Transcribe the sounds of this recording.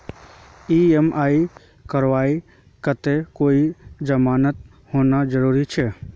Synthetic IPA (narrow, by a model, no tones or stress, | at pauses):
iemʔaːi | kəɾʋaːi | kət̪ekoːid͡ʒəmaːnət̪̚ | hoːnad͡ʒəɾuːɾit͡ʃʰɛ